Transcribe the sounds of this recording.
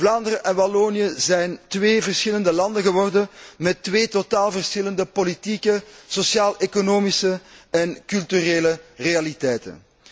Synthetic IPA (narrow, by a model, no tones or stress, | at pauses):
vlaːnd̪əɾəʔɛnbaloːnijəzɛjntʋeːvərsxɪləndəlɑndəɣəʋɔrdənmɛtːʋeːtotaːlˠvərsxɪləndəpolitiːkəsosjaːlʔekonoːmisəɛnkylˠtyreːlərealitɛjtə̰n